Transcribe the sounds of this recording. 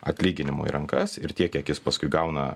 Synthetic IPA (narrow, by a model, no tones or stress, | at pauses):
ɐt̪ʲlʲiːɡʲɪnʲɪmo̰ḭɾʔɐŋkɐsɪɾt̪ʲiɛkjiɛkjɪspɐskʊɪɡɐʊnɐ